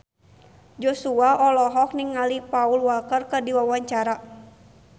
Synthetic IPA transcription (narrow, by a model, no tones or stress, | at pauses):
d͡ʒosuaɔlɔɦɔk̚niŋalipaulwalkərkərdiwawaɲt͡ʃaɾa